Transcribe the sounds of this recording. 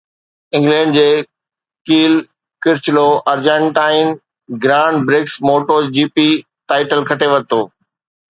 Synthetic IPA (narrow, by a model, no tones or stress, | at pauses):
ɪ̃ŋɡlɛ̃ːɳɖd͡ʑeː | kiːl | kɪɾɪt͡ɕloʔɐɾd͡ʑə̃ɳʈaːɪn | ɡɾãːɳɖbɾɪksmoːʈoːd͡ʑiːpi | ʈaːɪʈəlkʰɐʈeʋɐt̪oː